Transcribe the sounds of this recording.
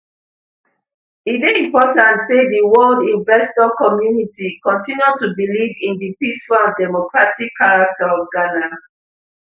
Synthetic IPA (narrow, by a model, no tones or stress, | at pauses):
ibeĩmpɔtãntsediwɔldĩɱvɛstɔkɔmjunitikɔ̃ntĩnjutubilivĩndipisfãdɛmɔkɹatikʰːaɹak̚taɔfɡana